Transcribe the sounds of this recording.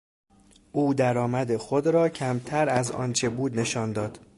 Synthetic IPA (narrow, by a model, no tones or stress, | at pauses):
ʔuːd̪æɾɒːmæd̪exod̪ɾɒːcʰæmt̪ʰæɾæzɒ̰ːnt͡ʃʰe̞buːd̪ne̞ʃɒːnd̪ɒːd̪̥